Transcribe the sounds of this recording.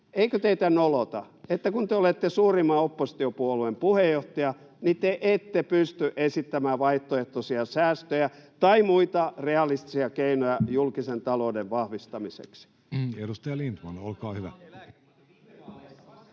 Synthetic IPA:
eikøt̪eit̪ænolot̪ɑet̪ːækunt̪eolet̪ːesuːrimːɑopːosi̥t̪iopuoluempuhejːoht̪ɑjɑ | nit̪eʔet̪ːepyst̪yʔesit̪ːæmæːʋɑiht̪ːoeht̪osiɑsæːst̪øjæt̪ɑimuit̪ɑreɑlist̪isiɑkeinojɑjulkisent̪ɑloːdeʋʋɑhʋist̪ɑmisḛksi̥ | edust̪ɑjɑlint̪mɑnolkɑːhyʋæ̰

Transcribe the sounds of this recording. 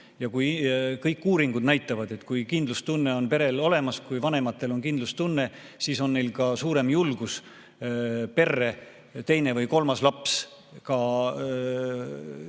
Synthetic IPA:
jɑkujkɤjkːuːɾiŋɡud̪næjt̪ːˑɑvɑd̪e̞t̪ːˑkujkind̪lust̪unːe̞o̞npe̞ɾe̞lo̞le̞mɑskujvɑne̞mɑt̪ːˑe̞lo̞nkind̪lust̪unːe̞ | siːso̞nːejlkɑsuːɾe̞mjulɡ̥us | pe̞rːe̞ | t̪e̞jne̞vɤjko̞lmɑslɑps | kɑ

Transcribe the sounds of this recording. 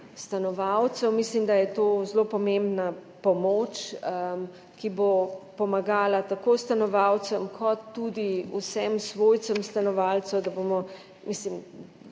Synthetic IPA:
st̪anɔʋawt̪sɛwmislimd̪ajɛt̪oːzlopɔmẽmbnapɔmoːt͡ʃəm | kibopɔmaɡaːlat̪akost̪anɔʋaw̪səmkʰɔt̪ːud̪iusɛmsʋoːjt̪səmst̪anɔʋalsɛwd̪abomɔ | mislim

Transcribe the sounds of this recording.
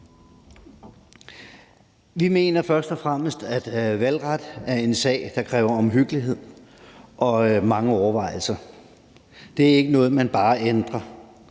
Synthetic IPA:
ʋime̝̰ːnɐfɶɐsd̥ɒ̽fʁaməsd̥æd̥ʋælʁad̥æɐe̝nsɛ̰ːɪd̥ɑ̈kʰʁɛːʊɐɒ̽mɦyɡ̥əliɦe̝ð̞̰ˠʔɒ̽mɑ̈ŋəɒʊɐʋɑ̈ɪ̰l̩sɐ | d̥e̝æɐe̝ɡ̥ənɔ̽ːð̞̩ˠmænb̥ɑ̈ːend̥ʁɐ

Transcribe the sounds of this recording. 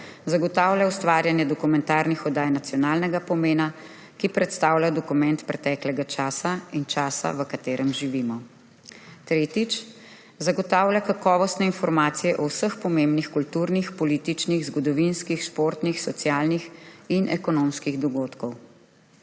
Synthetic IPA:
zaɡɔt̪aːwlʲjawst̪ʋaːɾjanjɛd̪ɔkumɛnt̪aːɾnixɔd̪aːjnat̪sjɔnaːlnɛɡapɔmeːna | kipɾɛt̪st̪aːwlʲad̪ɔkumɛ̃nt̪pɾɛt̪ɛklɛɡat͡ʃaːsaint͡ʃaːsa̰ʋəkat̪eːɾʔɛmʒiʋimɔ | t̪ɾeːt̪it͡ʃ | zaɡɔt̪aːwlʲjakakɔːʋɔst̪nɛinfɔɾmaːt̪sijɛʔɔwsəxpɔmembnixkult̪uːɾnixpɔliːt̪it͡ʃniɣzɡɔd̪ɔʋinskixʃpoːɾt̪nixsɔt̪sjaːlnixinʔɛkɔnomskiɣd̪ɔɡoːt̪kɔw

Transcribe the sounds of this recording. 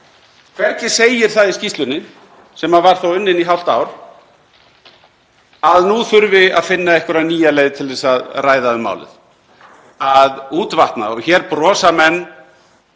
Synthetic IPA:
kʰv̥ɛɾcɪ̥seːjɪɾ̥θaðiscist̪lʏnːɪ | sɛmaðvaɾ̥θowʏnːɪniɦawl̥t̪a̰ːwɾ̥ | aðnuθʏɾvɪa̰ðfɪnːaɛhkvʏɾaniːjalejðt̪ʰɪlðɛsaðraːjðaðʏma̰wlɪ̰ð | aðuːt̪vaht̪na̰ɔçɛːɾpɾɔːsamɛnː

